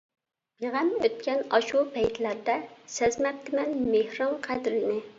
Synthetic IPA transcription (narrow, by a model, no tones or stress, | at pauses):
jeʁæmøt̪̚kʲɛnɑʃupʰɛjt̪ʰlæɾd̪ɛsɛzmɛp̚t̪ʰɪmɛnmehɾɑmqʰæd̪ɾɪnɪ